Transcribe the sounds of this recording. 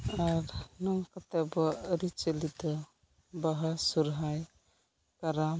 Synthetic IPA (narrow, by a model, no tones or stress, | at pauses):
aɾnɔŋkat̪abɔɾit͡ʃəlid̪ɔ | baɦasuɾɦaj | kaɾam